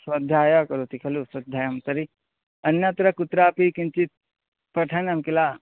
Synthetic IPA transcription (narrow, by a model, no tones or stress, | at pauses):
swɐd̪ʱjaːjɐkɐɾut̪ikʰɐluswɐd̪ʱjaːjɐmt̪ɐɾi | ɐnjɐt̪ɾɐkut̪ɾaːpikint͡ʃit̪̚ | pɐʈʰɐnɐmkila